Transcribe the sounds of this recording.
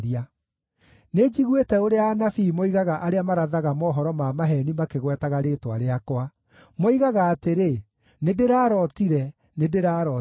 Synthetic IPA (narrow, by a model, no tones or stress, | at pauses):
ɾia | ned͡ʑiɣwetɛoɾeaanafiːmoiɣaɣaʔaɾeamaɾaðaɣamɔːɦɔɾɔmamaɦɛnimakeɣwɛtaɣaɾeːtwa̰ɾeakwa | moiɣaɣaːteɾe | nedeɾaːɾɔtiɾɛ | nedeɾaɾɔ